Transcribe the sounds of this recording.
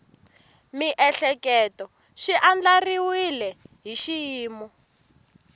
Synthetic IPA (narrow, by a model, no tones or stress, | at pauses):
miʔɛɬɛkɛtɔ | ʃiʔand͡ɮariwilɛɦiʃijiːmɔ